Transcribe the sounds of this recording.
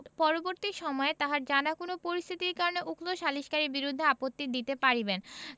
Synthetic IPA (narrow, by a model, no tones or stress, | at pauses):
pɔɾoboɾt̪iʃɔmɔet̪aɦaɾd͡ʑanakonopoɾist̪ʰit̪iɾkaɾoneʔukloʃaliʃkaɾiɾbiɾud̪ʱːeapot̪ːid̪it̪epaɾiben